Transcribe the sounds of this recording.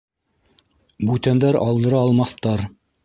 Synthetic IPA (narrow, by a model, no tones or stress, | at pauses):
bʉt̪ænd̪æɾɑlˠd̪ɤ̆ɾɑːlˠmɑθt̪ɑɾ